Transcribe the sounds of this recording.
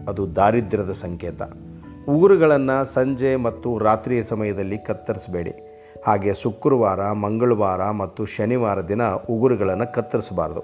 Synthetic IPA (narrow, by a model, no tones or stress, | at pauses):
ɐd̪ud̪aːɾid̪ɾɐd̪ɐsɐŋkɛːt̪ɐ̰ | uɡuɾuɡɐɭɐnːɐsɐɲd͡ʒemɐt̪ːuɾaːt̪ɾiːjɐsɐmɐjɐd̪ɐlːikɐt̪ːɐɾisɐbe̞ːɽḭ | haːɡe̞ːsukːɾuʋaːɾɐmɐŋɡɐɭuʋaːɾɐmɐt̪ːuʃɐniʋaːɾɐd̪inɐuɡuɾuɡɐɭɐnːɐkɐt̪ːɐɾisɐba̰ːɾɐd̪u